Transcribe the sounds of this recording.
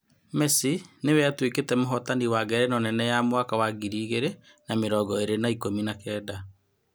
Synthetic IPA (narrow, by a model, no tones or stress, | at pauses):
mɛsinewɛatweketɛmoɦɔtaniwaɡɛɾɛnɔnɛnɛjamwakawaɡiɾiːɣeɾe | nameɾɔːɡɔeɾenaikominakɛːda